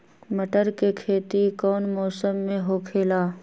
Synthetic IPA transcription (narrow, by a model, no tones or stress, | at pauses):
məʈəɾkekʰeːt̪ikɔːnmɔːsəmːẽɦokʰeːlaː